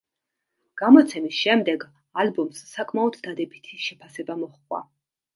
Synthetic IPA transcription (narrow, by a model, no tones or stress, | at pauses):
ɡ̥amɔt̪sʰɛmisʃɛmd̪ɛɡ | albɔmsːakʰʼmaɔd̪d̪ad̪ɛbit̪ʰiʃɛpʰasɛbamɔχkʼwa̰